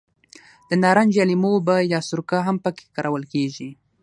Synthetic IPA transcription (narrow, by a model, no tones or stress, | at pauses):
d̪̥ənɑɾand͡ʒalimobajɑsʊɾkaɦampəke̥kaɾʔawəlkeʒi